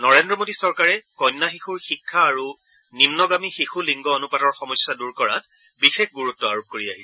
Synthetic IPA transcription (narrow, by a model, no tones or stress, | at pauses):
nɔɹendɹɔmodisɔɹkaɹɛkɔjnːaxixuɹxikʰːaːɹu | nimnɔɡamixixuliŋɡɔonupatɔɹxɔmɔjsjaduɹkɔɹa̰t̚ | bixexɡuɹutːɔaɹup̚koɹiaɦisɛ